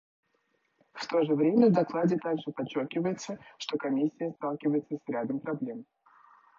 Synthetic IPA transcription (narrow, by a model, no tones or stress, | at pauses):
ft̪o̞ʐɨvɾʲemʲəvd̪ɐklˠadʲɪt̪aɡʐɨpɐt͡ɕːo̞rkʲɪvəjɪt̪səʂt̪o̞kɐmʲisʲːɪjəst̪alˠkʲɪvəjɪt̪səsʲɾʲad̪əmpɾɐblʲe̞m